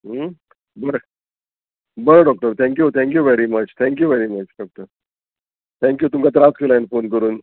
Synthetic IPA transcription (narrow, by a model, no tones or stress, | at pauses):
bəɾe | bəɾeɖɔk̚ʈəɾt̪ʰɛ̃ŋkjut̪ʰɛ̃ŋkjuʋeɾimət͡ɕt̪ʰɛ̃ŋkjuʋeɾimət͡ɕɖɔk̚ʈəɾ | t̪ʰɛ̃ŋkjut̪umkat̪̬əɾat͡skʰelajnfonkəɾuːn